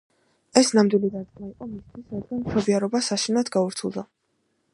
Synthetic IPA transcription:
ɛsnamd̪wilid̪aɾd̪̚ɡmaiqʼɔmist̪ʰwisɾad̪̚ɡanmʃɔbiaɾɔbasaʃinad̪ɡauɾt̪sʰulˠd̪a

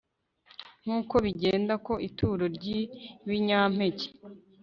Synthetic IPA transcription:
ŋ̥uːko̞βiɟeːndako̞ʔitʰuːɾoɾɟiβiɲaːm̥e̞ce̥

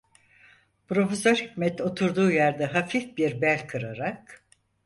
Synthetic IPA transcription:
pɾo̞fesøɾhicʲmɛt̪o̞t̪ʰuɾd̪uːjæɾd̪ɛɦafifbiɾbælʲkʰɯɾaɾak

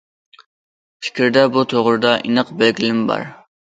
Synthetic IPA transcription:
pʰi̥kʲɾd̪ɛbut̪ʰoʁɾɨd̪ɑʔinəqbælɡʲilɪmbɑ̰ɾ

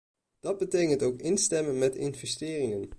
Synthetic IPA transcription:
d̥ɑd̚bətejkəntowkɪnstɛmənmɛtɪnvɛstɪːrɪŋən

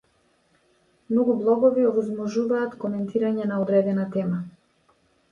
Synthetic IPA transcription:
mnɔɡublˠɔɡɔviɔvɔzmɔʒuvaːt̪kɔmɛnt̪ʰiɾaɲɛnaɔd̪ɾɛd̪ɛnat̪ɛma

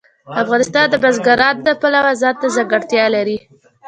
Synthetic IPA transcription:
afɣɑnɪst̪ɑnd̪əbazɡaɾɑt̪̚d̪əpalawazɑt̪ːazaɡaɽt̪jɑlaɾi

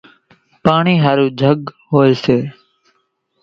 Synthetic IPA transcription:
paːɳiːɦaːɾuːd͡ʒʱəɠɦoːeːseː

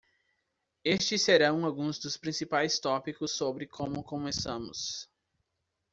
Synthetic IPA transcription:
est͡ʃɪsːeɾɐ̃w̃awɡũzd̪ʊspɾĩsipajst̪ɔpikʊsːobɾɪkʰõmʊkõmesɐ̃mʊ̰s

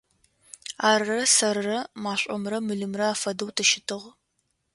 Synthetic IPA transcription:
aːrrɐsɐɾːɐmaːɕʷʼɔ̰mrɐmɨɮɨmrɐaːfɐdɐwtʰɨʃɪtʰɨʁ

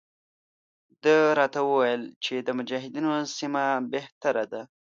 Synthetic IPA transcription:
d̪əɾɑt̪awəwajəlt͡ʃed̪əmʊd͡ʒaɦɪd̪inosimabeht̪aɾad̪a

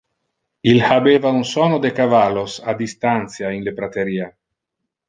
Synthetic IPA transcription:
ilhabeːvaunsɔnod̪ekavalːosad̪ist̪ant̪sjainlepɾat̪eɾiːa

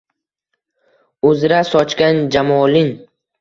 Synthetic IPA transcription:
ɵzɾasɒt͡ʃkʲand͡ʒamɒlɪn

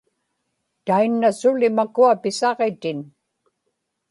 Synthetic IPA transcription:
t̪ainːasʊlɪmakuapɪsɑʁet̪ɪn

